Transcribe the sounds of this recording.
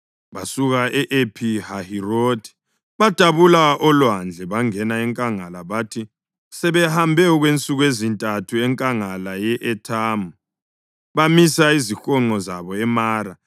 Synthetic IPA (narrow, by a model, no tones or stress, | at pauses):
βasuɣaʔɛʔepʰihahirotʰʼi̥ | βad̥ʱaβulaɔlwand͡ɮʱɛβaŋɛnaɛŋkʼaŋalaβatʰi | sɛβɛhambʱɛɔɣwent͡sʼuɣwezintʼatʰuɛŋkʼaŋalajɛʔɛtʰamu | βamisaizixɔŋ͡ǃɔzaβɔɛmaːɾa